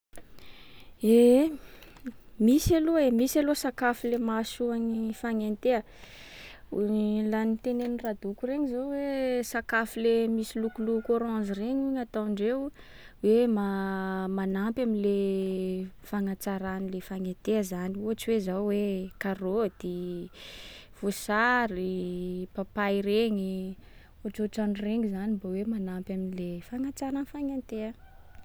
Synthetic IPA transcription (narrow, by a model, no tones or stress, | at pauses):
e | misaloemisalosakafilemasuanifaŋent̪eə | ulanit̪enenirad̪ukureɲizawesakafilemisilukulukoɾãzireɲuɲat̪aɳɖ͡ʐew | wemamanampjaminle | faŋat͡saɾanilefaŋent̪eəzaniuaʈ͡ʂiwezawwekarod̪i | v̥osaɾipapaiɾeŋi | uaʈ͡ʂoʈ͡ʂaɳreŋizanibawemanampjaminilefaŋat͡saɾanfaŋent̪eə